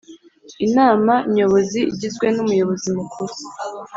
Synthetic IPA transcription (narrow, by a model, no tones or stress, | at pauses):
inaːmaɲo̞βo̞zḭːɟizɡwe̞numujo̞βo̞zimukʰuɾu